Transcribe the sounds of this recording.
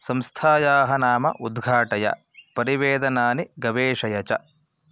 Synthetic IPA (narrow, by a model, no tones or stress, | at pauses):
sɐmst̪ʰaːjaːɦɐnaːmɐ̰ʔud̪ɡʱaːʈɐjɐ̰ | pɐɾiʋeːd̪ɐnaːniɡɐʋeːʂɐjɐt͡ʃɐ̰